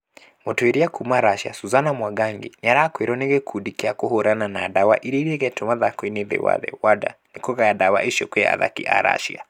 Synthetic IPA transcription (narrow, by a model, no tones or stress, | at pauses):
motɔeɾiakumaɾaʃia̰suzanamwaɡaŋɡḛɲaɾakweɾɔneɣɛkʰudikeakohoɾananadawa̰ʔiɾiɾiɛɣɛtomaðakwineðɛ̰wa̰ðɛ̰wada̰nekɔɣaadawa̰ʔiʃɔkwea̰ða̰kḭʔa̰ɾa̰ʃia̰